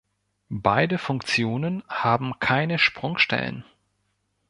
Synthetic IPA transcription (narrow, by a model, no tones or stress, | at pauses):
baɪdəfʊŋkt͡sjoːnənhaːbm̩kʰaɪnəʃpʁ̥ʊŋʃtɛ̰lə̰n